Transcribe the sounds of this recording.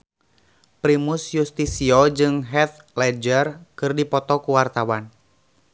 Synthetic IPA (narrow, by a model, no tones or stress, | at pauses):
pɾimusjust̪isiɔd͡ʒɨŋɦɛt̪ | lɛd͡ʒərkɨrdipɔt̪ɔkuwart̪awan